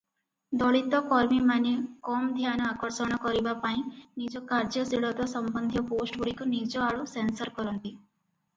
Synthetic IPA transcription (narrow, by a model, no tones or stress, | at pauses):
d̪ɔɭit̪ːokɔɾmimanikɔːmd̪ʱjaːnɐakɔɾsɔɳɐkɔɾibapainid͡ʒokaːɾd͡ʒɐsiɽɐt̪osɐmbɐnd̪ʱjɐpoːsʈɡuɽikuniːd͡ʒoaɽusensɐɾkɔɾund̪i